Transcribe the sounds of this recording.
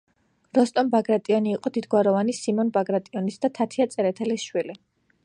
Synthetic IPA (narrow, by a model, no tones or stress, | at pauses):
ɾɔst̪ʼɔnbaɡɾat̪ʼiɔniːqʼɔd̪id̪ɡwaɾɔvanisimɔnbaɡɾat̪ʼiɔnisd̪at̪ʰat̪ʰiat̪sʼɛɾɛt̪ʰɛlisʃwili